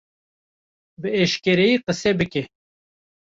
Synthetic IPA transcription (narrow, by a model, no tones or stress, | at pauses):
bɨeʃkʲeɾejiːqəsɛbɨke